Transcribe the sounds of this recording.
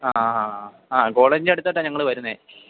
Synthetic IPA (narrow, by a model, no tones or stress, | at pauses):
aa | aːko̞ːɭeːɲd͡ʑeɽut̪ːɐʈːaɲɐŋːɐɭɨʋɐɾunːe